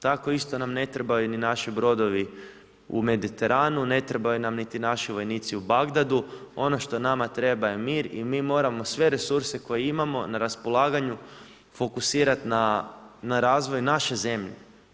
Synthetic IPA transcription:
t̪ako̞ist̪o̞namne̞t̪ɾebajuninaʃibɾo̞d̪o̞ʋi | ṵme̞d̪it̪e̞ɾʔaːnune̞t̪ɾebajunamnit̪inaʃiʋo̞jniːt̪siubaɡd̪ad̪uo̞no̞ʃt̪o̞namat̪ɾe̞baje̞miːɾimimo̞ːɾamo̞sʋe̞ɾe̞suɾse̞ko̞jeimamo̞naɾaspo̞lˠaːɡaɲu | fo̞kusiːɾat̪nanaɾaːzʋo̞jnaʃe̞ze̞mʎḛ

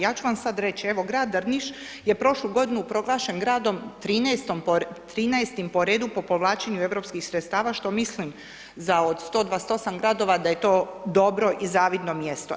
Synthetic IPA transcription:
jaːt͡ɕuʋamsad̪ɾe̞t͡ɕieʋo̞ɡɾaːd̪ɾniʃ | jepɾo̞ʃluɡo̞d̪inuːpɾo̞ɡlˠaːʃenɡɾaːd̪o̞mt̪ɾiːnɛest̪ompot̪ɾiːnɛest̪impo̞ɾeːd̪upo̞po̞ʋlˠaːt͡ʃeɲue̞vɾo̞pskixsɾet̪st̪aːʋaʃt̪o̞mislim | zaod̪st̪o̞ːd̪ʋaːst̪o̞samɡɾad̪o̞ʋad̪aje̞t̪o̞ːd̪o̞bɾo̞ʔizaːʋid̪no̞mjest̪o̰

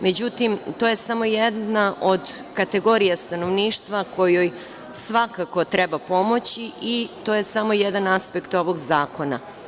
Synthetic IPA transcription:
me̞d͡ʑut̪imt̪o̞ːje̞samo̞jed̪naʔo̞d̪ | kat̪e̞ɡo̞ɾijast̪ano̞ʋniːʃt̪ʋakojoj | sʋakako̞t̪ɾebapo̞mo̞t͡ɕiit̪ojesamo̞jed̪anaspekt̪o̞ʋo̞ɡzaːko̞na̰

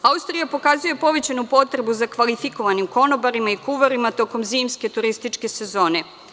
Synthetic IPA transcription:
aust̪ɾijapo̞kazuje̞po̞ʋe̞t͡ɕanupo̞t̪ɾe̞buzakʋalifiko̞ʋanimko̞no̞baɾimaikuʋoɾimat̪o̞ko̞mziːmske̞t̪uɾist̪it͡ʃke̞se̞zo̞ːne̞

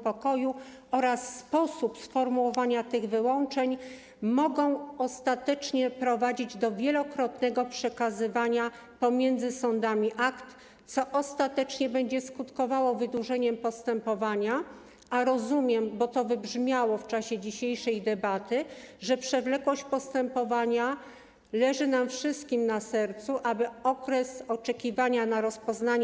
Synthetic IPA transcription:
pɔkɔju | ɔɾasːpɔsupsfɔɾmuwɔvaɲat̪ɘɣvɘwɔnt͡ʂɛɲ | mɔɡɔ̃w̃ɔst̪at̪ɛt͡ʂɲɛpɾɔvad͡ʑid͡ʑd̪ɔvʲjɛlɔkɾɔt̪nɛɡɔpʂɛkazɘvaɲa | pɔmʲjɛnd̪zɘsɔnd̪amʲiʔakt̪ | sɔʔɔst̪at̪ɛt͡ʂɲɛbɛɲd͡ʑɛskut̪kɔvawɔvɘd̪wuʐɛɲɛmpɔst̪ɛmpɔvaɲa | aɾɔzumʲjɛmbɔt̪ɔvɘbʐmʲjawɔft͡ʂaɕɛd͡ʑiɕejʂɛjd̪ɛbat̪ɘʐɛpʂɛvlɛkwɔɕt͡ɕpɔst̪ɛmpɔvaɲa | lɛʐɘnamfʂɘst̪kʲimnasɛɾt̪suʔabɘɔkɾɛsɔt͡ʂɛkʲivaɲanaɾɔspɔznaɲ

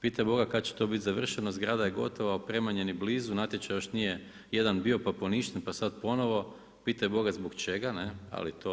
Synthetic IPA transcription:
piːt̪abo̞ɡakat̪̚t͡ɕe̥t̪o̞bit̪zaʋr̩ʃenozɡɾaːd̪ajeɡo̞̰t̪oʋaopɾe̞maɲe̞nibliːzunat̪jet͡ʃajo̞ʃnije̞ | je̞d̪anbio̞papo̞niʃt̪enpasad̪po̞no̞ʋo̞ | pit̪abo̞ɡazbokt͡ʃe̞ɡanea̰lit̪o

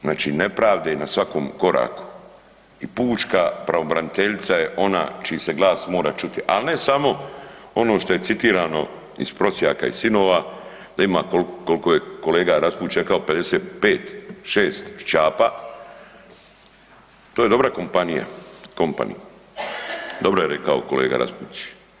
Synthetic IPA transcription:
znaːt͡ʃḭne̞pɾaːʋd̪enasʋako̞ːmko̞ɾa̰ːku̥ | ipuːt͡ʃkapɾaʋo̞bɾanit̪e̞ʎit̪saje̞ʔo̞na̰ːt͡ʃiise̞ɡlˠaːsmo̞ːɾat͡ʃut̪iʔa̰lne̞samo̞ | o̞noʃt̪o̞je̞t̪sit̪iːɾaːno̞̰ | ḭspɾo̞sjaːka̰isino̞ːʋa | d̪aimaːkolkːo̞lkoje̞ko̞leːɡaɾaspuːt͡ʃekaope̞d̪e̞seːt̪peːt̪ʃeːst̪t͡ʃaːpa | t̪oːjedo̞bɾako̞mpanija̰ko̞mpa̰nḭ | d̪o̞bɾojeɾekaoko̞leːɡa̰ɾa̰spṵːt͡ʃi̥

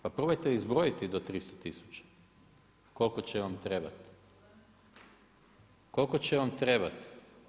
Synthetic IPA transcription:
papɾobojt̪eizbɾo̞jit̪id̪ot̪ɾist̪ot̪isu̥t͡ɕḁ | ko̞lˠko̞t͡ɕeʋamt̪ɾe̞ba̰t̪ | ko̞lkot͡ɕeʋamt̪ɾe̞bat̪

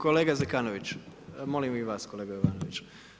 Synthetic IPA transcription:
koleːɡazɛkaːnoʋit͡ʃmolimiʋaːskoleːɡajoʋaːnoʋit͡ʃ

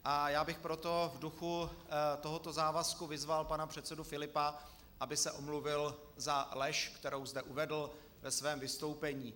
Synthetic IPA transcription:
ʔajaːbɪxpɾo̞t̪o̞vduxut̪oɦot̪o̞zaːvaskuvɪzvalpanapr̝̥ɛt̪sɛdufɪlɪpa | ʔabɪsɛʔomluvɪl | zalɛʃkt̪ɛɾo̞wzdɛʔuvɛdl̩ | vɛsvɛːmvɪst̪o̞wpɛɲiː

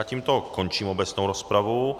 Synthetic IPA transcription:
at̪imt̪ɔkːont͡ʃimɔbɛsnowɾɔspɾavu

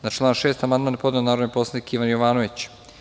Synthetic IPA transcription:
nat͡ʃlˠaːnʃe̞ːst̪amand̪maːnpo̞d̪nenaːɾod̪epo̞slˠanikiʋanjoʋaːnoʋit͡ɕ

